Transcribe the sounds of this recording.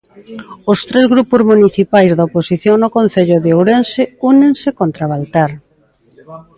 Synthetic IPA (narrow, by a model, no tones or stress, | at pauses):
ʊst̪ɾezɣɾupʊzmuniθipajzðaoposiθjoŋnʊkon̟θeʎʊðeowɾensɪuneŋsɪkont̪ɾaβalt̪aɾ